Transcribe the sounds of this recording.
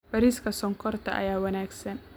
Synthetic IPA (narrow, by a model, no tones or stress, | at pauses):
bɐɾiːskʰɐsɔŋkʰɔrt̪ʰɐ̰ʔɐ̰jaːwɐnaːɡsɐn